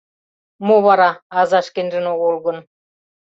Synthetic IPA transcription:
moβɑɾɑɑzɑʃkĕnʒɘ̆noɣolˠɣɤ̆n

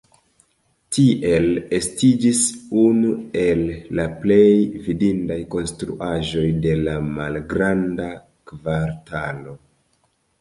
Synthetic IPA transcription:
tiʔe̞le̞stid͡ʒisunue̞lːaplejvidindajko̞nstɾṵʔaʒo̞jde̞lamalɡɾanda | kvaɾtalo̞

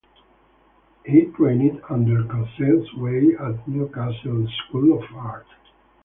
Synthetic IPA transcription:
hitʰɹẽɪ̃nɪdʌ̃ndə˞kɔ̃nsɛ̃ntsweɪætlukæsəlskulɔvaɹt

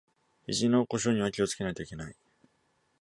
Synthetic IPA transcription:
iʑino̞ko̞ɕ̬oɲ̟iβakʲio̞t͡sɨ̥ke̞nait̪o̞ike̞nai

